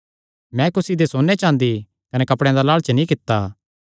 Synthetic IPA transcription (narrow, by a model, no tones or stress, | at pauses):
mɛ̃kʊsid̪esoːnet͡ʃãːnd̪i | kɐnɛkɐpɽɛ̃d̪alaːɭt͡ʃnĩkɪt̪ːa